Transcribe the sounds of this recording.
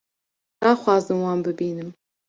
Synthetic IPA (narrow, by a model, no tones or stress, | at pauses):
d̪̥ɑːxʷwɑːzɨmwɑːnbɨbiːnɨm